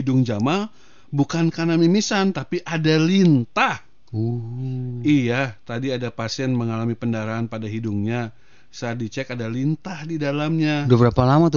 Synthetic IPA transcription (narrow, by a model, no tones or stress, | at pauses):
idʊŋd͡ʒama | bukankanamimisant̪apiʔadalint̪ah | u | ijat̪adiadapasiɛnməŋalamipəndaɾaːnpadaɦidʊŋɲa | saːdit͡ʃɛkadalint̪ahdidalamɲabəbəɾapalamat̪